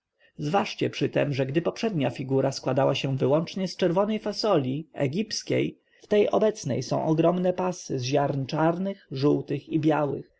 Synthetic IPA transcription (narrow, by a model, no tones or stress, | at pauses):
zvaʂt͡ɕɛpʂɘt̪ɛmʐɛɡd̪ɘpɔpʂɛd̪ɲafʲiɡuɾaskwad̪awaɕɛvɘwɔnt͡ʂɲɛst͡ʂɛɾvɔnɛjfasɔlʲiɛ̰ɡʲipskʲḛj | ft̪ɛjɔbɛt̪snɛ̰jsɔ̰̃w̃ʔɔɡɾɔmnɛpasɘzʑaɾnt͡ʂaɾnɘxʐuwt̪ɘxibʲjawɘ̰x